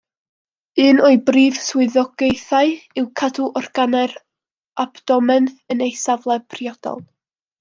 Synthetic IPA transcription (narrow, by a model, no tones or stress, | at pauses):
ɨːnɔɨbriːv̥swɪðɔɡ̥ejθaɨɨwkʰaduʔɔrɡ̥anɛr | abd̥ɔmɛnθənejsavlˠɛpʰriɔd̥ɔ̰lˠ